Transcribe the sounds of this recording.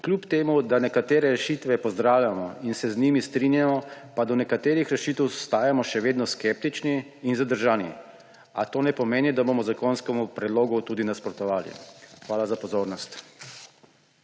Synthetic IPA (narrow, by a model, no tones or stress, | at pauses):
klʲjupt̪eːmud̪anɛkat̪eːɾɛɾɛʃiːt̪ʋɛpɔzd̪ɾaːwjʲamɔinsɛznimist̪ɾinjamɔpad̪ɔnɛkat̪eːɾixɾɛʃit̪ɛwst̪aːjamɔʃɛʋeːd̪nɔskɛp̚t̪it͡ʃniːnzad̪əɾʒaːnḭ | a̰t̪oːnɛpɔmeːnid̪abomɔzakonskɛmupɾɛd̪loːɡut̪ud̪inaspɾɔt̪ɔʋaːlḭxʋaːlazapɔzoːɾnɔst̪